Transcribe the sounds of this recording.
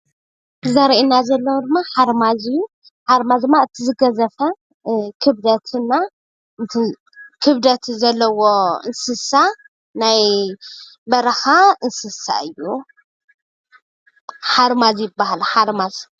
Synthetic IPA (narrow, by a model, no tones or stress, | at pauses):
zaɾʔinazɐlːɐwd̪ɨmːaħaɾmazɨju | ħaɾmazd̪ɨmːaɨt̪ʰizɨɡɐzɐfɐ | kʰɨβd̪ɐt̪ʰɨnːa | ɨt̪ʰi | kʰɨβd̪ɐt̪zɐlːɐwoɨ̰nsɨsa | naj | bɐɾɐxaɨnsɨsa̰ɨjːu | ħaɾmazjɪbːahalħaɾmaz